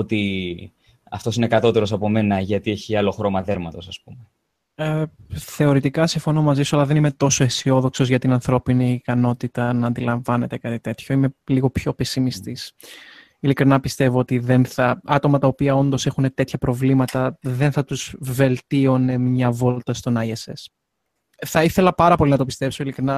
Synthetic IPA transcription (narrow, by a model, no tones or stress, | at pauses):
ot̪i | ɐft̪o̞sine̞kɐt̪o̞t̪e̞ɾo̞sɐpo̞me̞nɐʝɐt̪ieçiɐlo̞xɾo̞mɐðeɾmɐt̪o̞sɐspume | eθe̞o̞ɾit̪ikɐsiɱfo̞no̞mɐzisuɐlɐðe̞nime̞t̪o̞so̞esio̞ðo̞kso̞zʝɐt̪inɐnθɾo̞piniːkɐno̞t̪it̪ɐnɐːnd̪ilɐɱvɐne̞t̪e̞kɐt̪it̪e̞t̪ço̞ime̞liɣo̞pço̞pe̞simist̪is | ilikɾinɐpist̪e̞vo̞ot̪iðe̞nθɐɐt̪o̞mɐt̪ɐopiɐo̞nd̪o̞se̞xune̞t̪e̞t̪çɐpɾo̞vlimɐt̪ɐðe̞nθɐt̪uzve̞lt̪io̞ne̞mɲɐvo̞lt̪ɐst̪o̞nɐiese̞s | θɐiθe̞lɐpɐɾɐpo̞linɐt̪o̞pist̪e̞pso̞ilikɾinɐ